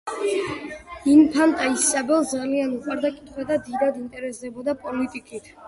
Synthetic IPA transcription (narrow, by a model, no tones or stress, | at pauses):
inpʰant̪ʼaisabɛlˠd̪zalianuqʼwaɾd̪akʼit̪ʰχwad̪ad̪iɾad̪int̪ʼɛɾɛsd̪ɛbɔd̪apʼɔlit̪ʼikʼit̪ʰ